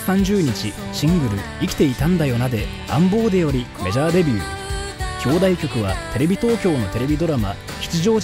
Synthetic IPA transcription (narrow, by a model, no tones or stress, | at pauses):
ãɲ̟d͡ʑɨːɲ̟it͡ɕiɕĩŋɡɯ̟ɾɯ̟ | ikʲi̥t̪e̞it̪ãnd̪ajo̞nad̪e̞ | ã̰mbo̞ːd̪e̞jo̞ɾʲi | me̞ʑaːd̪e̞bʲɨː | kʲo̞ːd̪aikʲo̞kɯ̟βa̰t̪e̞ɾe̞bʲit̪o̞ːkʲo̞ːno̞t̪e̞ɾe̞bʲid̪o̞ɾama | çi̥t͡siʑo̞ː